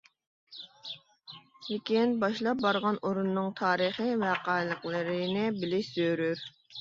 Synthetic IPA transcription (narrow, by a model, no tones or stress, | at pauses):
lɪkʲinbɑʃlˠɑp̚bɑɾʁɑnʔoɾunːɨŋt̪ʰɑːɾəχivæqɑːjlˠəqlˠɨɾɪnɪbɪlɪʃz̥øɾyɾ